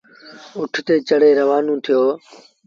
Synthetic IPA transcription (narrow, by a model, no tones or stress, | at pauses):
ʊʈʰt̪eːt͡ʃəɽeːɾəʋaːnũːt̪ʰɪjoː